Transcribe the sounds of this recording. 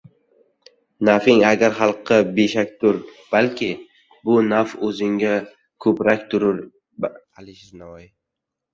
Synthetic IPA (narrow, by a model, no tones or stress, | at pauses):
nafɪŋaɡʲaɾχɑlˠqʰːɨbeʃakʲt̪ʰʊɾb̥alkʲʰɪ | bʊnafɵzɪŋʲa | kʰɵpɾakʲt̪ʰʊɾʊɾ | alɪʃɪznavɒj